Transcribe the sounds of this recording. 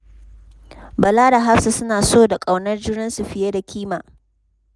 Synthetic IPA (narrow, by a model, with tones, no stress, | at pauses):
bɐ˨laː˦da˨ɦa˦ɸsa˨sʊ˦naː˨soː˦˨da˨kʼa˨wnɐ˦rd͡ʒɪ˦ɽɪ˦nsu˨ɸɪ˨je˦da˨kʲiː˦maː˨